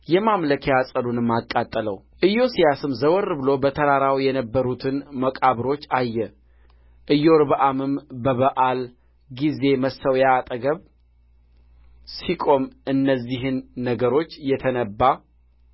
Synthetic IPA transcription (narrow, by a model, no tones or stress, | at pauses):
jɛmamləkʰeasʼəlunɨmːakʼːat̪ʼːələw | ʔɨjːo̞sijasɨmzəwɔɾbɨlo̞bət̪ʰəɾaɾawjɛnəbːəɾut̪ʰɨnməkʼaβɾo̞t͡ʃːajːɛ | ʔɨjːoɾbəʔamɨmbəβəʔal | ɡize̞məsəwjaːt̪ʼəɡəβ | sikʼo̞mɨnːəzːiɦɨnːəɡəɾo̞t͡ʃːjɛt̪ʰənəbːa